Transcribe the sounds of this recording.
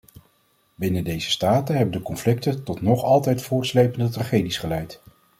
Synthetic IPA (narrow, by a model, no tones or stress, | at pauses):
bɪnədejzə̥staːtəɦɛbəndəkɔnflɪk̚tətɔtnɔχɑlˠtɛjtfʊːɹtslejpəndətraχejdisχəlɛjt